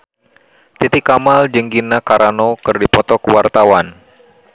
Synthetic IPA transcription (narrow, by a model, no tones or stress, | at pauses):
t̪it̪ikːamald͡ʒəŋɡinakaɾanokɨrdipɔt̪ɔkəwart̪awan